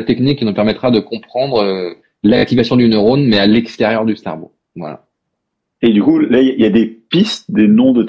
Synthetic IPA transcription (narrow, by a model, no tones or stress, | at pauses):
t̪ɛknikʲːinupɛʁmɛt̪χad̪əkɔ̃pχɑ̃d̪ʁø | lak̚t̪ivasjɔ̃d̪ynəʁonmɛalɛkst̪ɛʁjœʁd̪yst̪a̰ʁbo̰ | vwa̰la̰ | ed̪ykulaiailjad̪epist̪d̪enɔ̃d̪ət̪